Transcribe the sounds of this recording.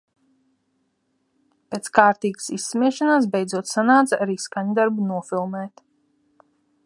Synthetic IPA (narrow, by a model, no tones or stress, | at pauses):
peːt̪skaːɾt̪iːɡsisːmiɛʃanaːs̬bɛjd̪zuɔt̪sanaːt̪saaɾiːskaɲd̪aɾbunuɔfʲilˠmɛːt̪